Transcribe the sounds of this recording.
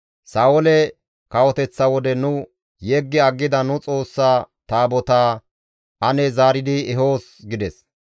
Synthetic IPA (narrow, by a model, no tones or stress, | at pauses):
saːɔlɛ | kɐwɔt̪ɛt͡sːɐwɔd̪ɛnʊ | jeːɡːɪɐɡːɪd̪ɐnʊt͡sʼo̞ːsːaː | t̪aːbɔt̪aː | ʔɐnɛzaːɾɪd̪ɪɛɦo̞ːsɡɪd̪ɛs